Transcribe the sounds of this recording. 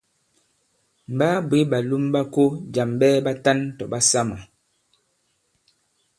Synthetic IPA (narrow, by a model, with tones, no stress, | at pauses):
m̩˨baː˦bwe˨˦ba˨lu˦mba˦ko˦d͡ʒa˨mbɛː˦ba˦ta˦ntɔ˨ba˦sa˦ma˨